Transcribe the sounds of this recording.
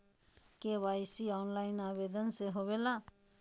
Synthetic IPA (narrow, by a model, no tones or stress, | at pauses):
kewajsiɔnlaɪnabed̪ənseɦoβela